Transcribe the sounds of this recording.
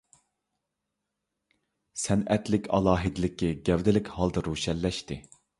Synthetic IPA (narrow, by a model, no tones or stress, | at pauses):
sɛnɛt̪lɪkʲʰɑ̰lˠɑːɦɪd̪ɪlɪkʲːɛɡʲɛvd̪ɪlɪkʲhɑlˠd̪ɑɾuːʃɛlːɛʃt̪ɪ